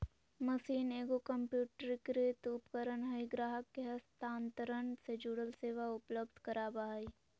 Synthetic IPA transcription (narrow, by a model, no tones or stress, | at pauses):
məsiːneːɡokəmpjuːʈəɾkɾet̪ʊpkəɾənɦəiɡɾaːɦəkːeɦɐst̪aːnt̪əɾəɳsed͡ʒuːɽəlseːʋaʊpləb̚d̪ʱkɐɾaːbaːi